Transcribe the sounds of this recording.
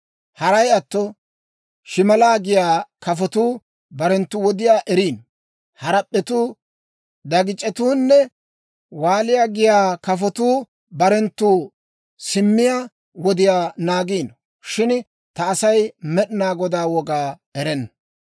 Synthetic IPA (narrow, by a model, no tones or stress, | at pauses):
hɐɾɐjɐt̪ːɔ | ʃɪmɐlaːɡɪjaːkɐfɔt̪uː | bɐɾɛnt̪ːʊwɔd̪ɪjaːʔɛɾiːn | hɐɾɐpʼːɛt̪uː | d̪ɐɡɪt͡ʃʼːɛt̪uːnːɛ | waːlɪjaːɡɪjaːkɐfɔt̪uː | bɐɾɛnt̪ːuː | sɪmːɪjaː | wɔd̪ɪjaːnaːɡiːn | ʃɪn | t̪ɐːsɐjmɛɗɪnaːɡɔd̪aːwɔɡaː | ɛɾɛnːɐ